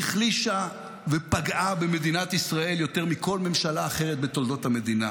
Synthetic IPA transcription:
χliʃa | vepaɡʔabeme̞dinat̪isʁae̞ljo̞t̪e̞ʁmiko̞lme̞mʃalaːχe̞ʁet̚bet̪o̞ld̪o̞thame̞dina

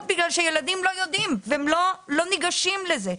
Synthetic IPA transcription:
tbiɡlalʃejelad̪imlo̞jod̪imveemlolo̞niɡaʃimleze

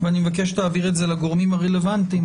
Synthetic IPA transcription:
veanimevak̬e̞ʃ̬taaːviʁetze̞laɡo̞ʁmimaʁele̞vantim

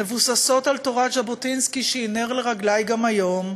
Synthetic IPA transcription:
evusaso̞talto̞ʁatd͡ʒabotinskiʃeineʁleʁaɡlajɡamajo̞m

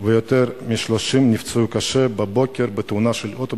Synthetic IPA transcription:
vejot̪eɾmiʃloʃimnift͡seukaʃebebo̞kʲeɾbet̪unaʃelot̪o

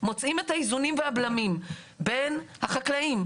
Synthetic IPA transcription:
mo̞t͡sime̞thaizunimveablamim | be̞nhaχaklaim

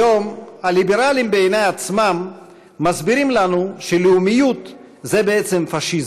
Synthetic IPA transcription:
jomhalibeɾalimbeejnajat͡smamː | azbiɾimlanuʃeleumijut̪ | zebeet͡semfaʃiz

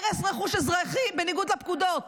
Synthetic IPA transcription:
ʁesʁeχuʃezʁaχibeniɡud̪lap̚kud̪ot

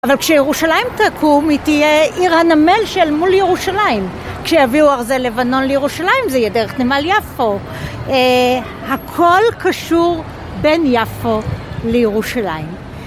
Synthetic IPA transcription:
avalkʃejeʁuʃalaimtakʰumitijeʔiʁhanamelʃelmuljeʁuʃalaim | kʃejaviuaʁzele̞vano̞nlejeʁuʃalaimzeijedeʁeχnemaljafo | hakʰo̞lkaʃuʁ | be̞njafolejeʁuʃalaim

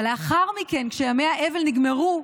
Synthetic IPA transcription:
le̞aχaʁmike̞nkʃejamejaʔevelniɡmeʁu

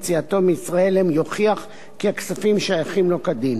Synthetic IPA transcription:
t͡siat̪o̞meisʁae̞lemjoχiaχ | keaksafimʃajaχimlo̞kad̪im

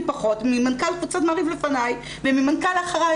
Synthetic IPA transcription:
paχo̞tmimankalkvut͡satmaʁivlefanaj | vemimankalaχʁa

